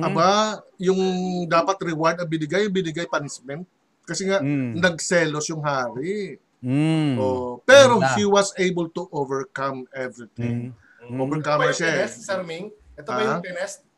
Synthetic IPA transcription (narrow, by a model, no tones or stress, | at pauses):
ʔɐbajʊŋd̪aːpɐt̪ɾɪwaɹd̪ɐŋbɪnɪɡajʊŋbɪnɪɡajpɐnsmɛnt̪̚ | kɐsɛŋaʔnɐɡ̚sɛːlosjʊŋɦaːɾɪ | ʔopɛːɾohiwɐsejbɐlt̪uʔovɛɹkɐmɛvɹit̪ɪ̃ŋ | ʔoːvɛɹkamsaɛssɛɾmiŋʔɛt̪oaɐjpɛnɛst̪̚